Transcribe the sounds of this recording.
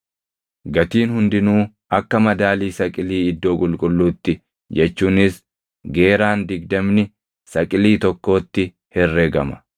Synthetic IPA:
ɡɐt̪iːnhʊnd̪ɪnuː | ʔɐkːɐmɐd̪aːliːsɐkʼɪliːɪd̪ːo̞ːkʼʊlkʼʊlːuːt̪ːɪ | d͡ʒɛt͡ʃːuːnɪs | ɡe̞ːɾaːnd̪ɪɡ̚d̪ɐmnɪ | sɐkʼɪliːt̪ɔkːo̞ːt̪ːɪ | hɛrːeːɡɐmɐ̥

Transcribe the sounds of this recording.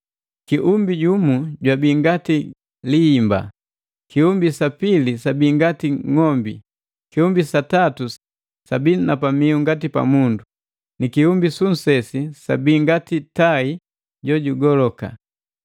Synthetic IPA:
kiʔumbiɟumuɟwabiːŋɡati | liːmba̰ | kiumbisapilisabiːŋɡatiŋɔmbḭ | kiumbisatatu | sabinapamiuŋɡatipa̰mundu | nikiumbisun̩sɛsisabiːŋɡatitai | ɟɔɟuɡɔlɔka̰

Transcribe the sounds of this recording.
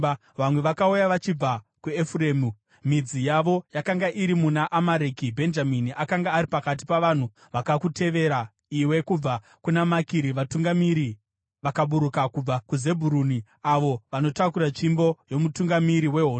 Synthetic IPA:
ʋamwe̞ʋakaujaʋat͡ʃib͡vakuefureːmu | mid͡zijaʋo̞jakaŋɡaʔiɾimunaʔamaɾekibʱe̞nd͡ʒaminiʔakaŋɡaːɾipakat̬i̥paʋan̤u | ʋakakute̞ʋe̞ɾa | iwe̞kub͡va | kunamakiɾiʋatuŋɡamiɾi | ʋakaɓuɾukakub͡vakuze̞bʱuɾuni | aʋo̞ʋano̞takuɾat͡ʃimbo̞jo̞mutuŋɡamiɾiwe̞ɦoːn

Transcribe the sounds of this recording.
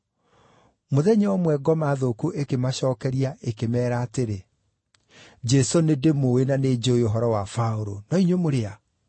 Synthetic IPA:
moðɛɲɛwɔmwɛɡɔmaðokuʔekemaɕɔːkɛɾiaʔekemɛːɾaːteɾe | d͡ʒɛsonedemoenaned͡ʒojoɦɔɾɔwafaoɾonɔiɲwemoɾea

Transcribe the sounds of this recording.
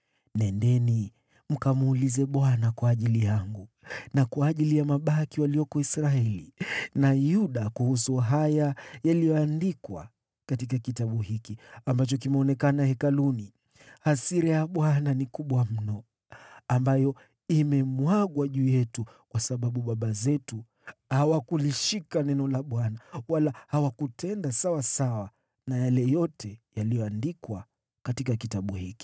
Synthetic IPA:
nɛndɛni | m̩kamːlizɛɓwanakwaːʄilijaŋɡu | nakwaːʄilijamaɓakiwaliɔkɔisɾaɛlinajuɗakuhusuɦajajalijɔandikwa̰ | katikakitaɓuhikiambat͡ʃɔkimɛɔnɛkanahɛkaluni | hasiɾɛjaɓwananikuɓwam̩nɔ | ambajɔ | imɛmwaɠwaʄuːjɛtu | kwasaɓaɓuɓaɓazɛtu | hawakuliʃikanɛnɔlaɓwanawalahawakutʰɛndasawasawa | najalɛjɔtʰɛjalijɔandikwa | katikakitaɓuhiki̥

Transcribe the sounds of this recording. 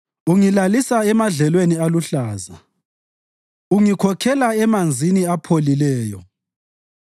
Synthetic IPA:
uŋilalisaɛmaɮɛlwenialuɬaːza | uŋikʰɔkʰɛlaɛmand͡zʱiniapʰolilɛːjɔ̰

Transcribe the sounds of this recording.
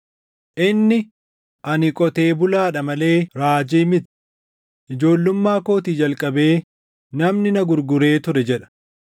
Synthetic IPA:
ʔɪnːɪ | ʔɐnɪkʼɔt̪e̞ːbʊlaːᶑɐmɐle̞ːɾaːd͡ʒiːmɪt̪ | ʔɪd͡ʒo̞ːlːʊmːaːkoːt̪iːd͡ʒɐlkʼɐbe̞ː | nɐmnɪnɐɡʊɾɡʊɾe̞ːt̪ʊɾɛd͡ʒɛᶑɐ̥

